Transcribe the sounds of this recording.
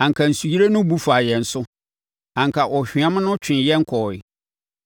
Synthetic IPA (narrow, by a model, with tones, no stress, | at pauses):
ã˨ŋ˨kʰa˨n̩˨su˨ji˦ɾe˦nʊ̃˦bu˦fa˨jɛ˨n̩˨sʊ˦ | ã˨ŋ˨kʰa˨ʔɔ˨ɕᶣɪ˨ã˦mʊ̃˦nʊ̃˦t͡ɕʰᶣɪ̃˨n˨jɛ˦ŋ̩˦kʰɔ˨ɪ̰˨